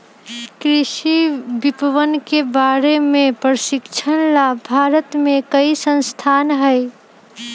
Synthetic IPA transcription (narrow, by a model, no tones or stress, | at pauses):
kɾɪʃibɪpəʋənkebaɾemẽpɾəʃɪkt͡ʃʰənlabʱaːɾət̪mẽkəisə̃nst̪ʰaːnɦəj